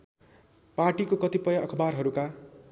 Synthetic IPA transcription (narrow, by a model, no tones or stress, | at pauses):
paʈikokʌt̪ipʌjʌʔʌkʰʌbarɦʌɾuka